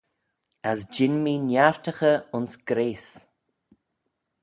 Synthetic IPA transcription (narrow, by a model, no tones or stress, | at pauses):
asd͡ʒɪnmiːnjaɹt̪əxəʊnsɡ̥ɾeːs